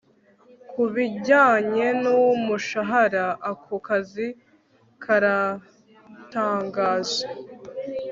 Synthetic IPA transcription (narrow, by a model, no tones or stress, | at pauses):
kʰuβiɟaːɲe̞nuwomuʃaɦaɾaːkʰokazi | kʰaɾa | taːŋɡaːze